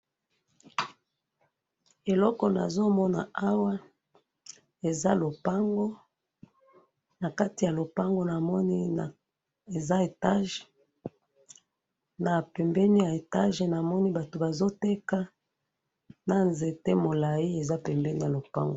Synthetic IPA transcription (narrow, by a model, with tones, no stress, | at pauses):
e˨lɔ˦kɔ˨na̰˨zo˦mɔ˦na̰˨a˦wa˦ | e˨za˦lo˨pa˦ŋɡo˦ | na˨ka˦ti˨ja˨lo˨pa˦ŋɡo˦na˨mɔ˦ni˦˨ | e˨za˦e˨ta˦ʒ | na˨pɛ˨mbɛ˦ni˦ja˨e˨ta˦ʒe˨na˨mɔ˦ni˦ba˨to˨ba˨zo˦te˦ka˦ | na˦nze˨te˦mo˨la˨ji˦e˨za˦pɛ˨mbɛ˦ni˦ja˨lo˨pa̰˦ŋɡo˨